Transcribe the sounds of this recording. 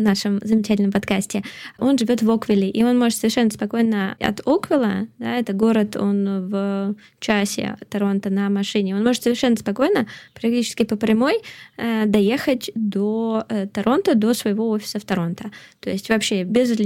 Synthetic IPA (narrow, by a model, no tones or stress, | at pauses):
naʂɨmzəmʲɪt͡ɕætʲlʲnəmpɐt̪kasʲtʲɪo̞nʐɨvʲo̞t̪vo̞kvʲɪlʲɪʔio̞nmo̞ʐɨt̪səvʲɪrʂɛnːəspɐko̞jnəɐ̰t̪okvʲɪlˠə̰d̪a̰ɛt̪əɡo̞ɾət̪o̞̰nvə | t͡ɕasʲɪ̰t̪ɐɾo̞nt̪ənəmɐʂɨnʲɪo̞nmo̞ʐɨt̪səvʲɪrʂɛnːəspɐko̞jnəpɾɐk̚tʲit͡ɕɪ̥skʲɪpəpɾʲɪmo̞jəd̪ɐje̞xətʲd̪o̞t̪ɐɾʔo̞nt̪əd̪o̞svəjɪvo̞ofʲɪ̥səft̪ɐɾo̞nt̪ət̪o̞jɪsʲtʲvɐpɕːebʲɪzt̪ʲ